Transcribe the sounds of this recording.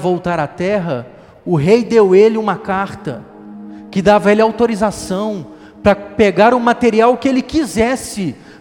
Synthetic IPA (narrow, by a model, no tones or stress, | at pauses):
vowt̪aɾat̪ɛɦɐ | ʊɦejd̪ewelɪũmɐkaɾt̪ɐ̰ | kɪd̪avɐelɪawt̪oɾizasɐ̃w̃ | pɾɐpeɡaɾʊmat̪eɾiawkɪelɪkizɛsɪ